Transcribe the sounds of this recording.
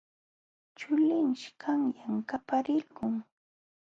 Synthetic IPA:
t͡ʃʊlɪŋʃkʰaŋjaŋkapaɾɪlkʊŋ

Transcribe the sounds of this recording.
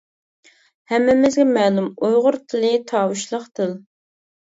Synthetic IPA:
hɛmːɪmɪzɡʲɛmɛːlˠumujʁʊɾt̪ʰɪlɪt̪ʰɑːwuʃlˠəqt̪ʰɨl

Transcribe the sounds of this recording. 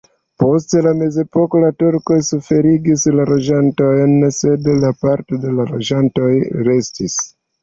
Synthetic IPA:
po̞stelame̞ze̞po̞ko̞latuɾko̞jsufe̞ɾiɡislalo̞d͡ʒanto̞jnse̞dlapaɾto̞de̞lalo̞d͡ʒanto̞jɾe̞stis

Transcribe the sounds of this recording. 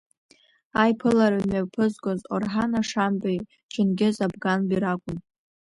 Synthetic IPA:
ajpʰɨlaɾamapʰɨzɡʷʼozorħanaʂambʼaj | t͡ʃʰʼɪnɡʲɪzabɡanbiɾakʷʼʊn

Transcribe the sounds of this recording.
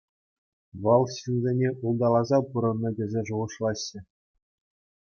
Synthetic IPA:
ʋɤ̆lˠɕinzʲenʲeʔulˠd̪ɑlˠɑzɑpuɾɤ̆nːɤ̆dʲĕzʲeʐuʁɤ̆ʂlˠɑɕːɘ̆

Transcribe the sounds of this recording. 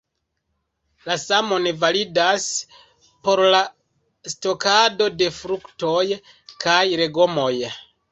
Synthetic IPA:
lasamo̞nevalidas | po̞ɾla | sto̞kado̞de̞fɾukto̞j | kajɾe̞ɡo̞mo̞j

